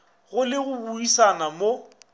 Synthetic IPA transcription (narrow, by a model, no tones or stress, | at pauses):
ɣʊlɪɣʊbuisanamo